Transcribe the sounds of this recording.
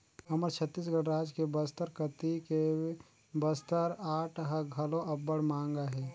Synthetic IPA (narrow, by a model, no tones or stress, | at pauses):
ɐməɾt͡ʃʰət̪ːiːs̬ɡəɽɾaːd͡ʒkebəst̪əɾkət̪ike | bəst̪əɾaːʈʰɦɐɡʱɐlõʔɐbːəɽmãːŋɡaɦɛː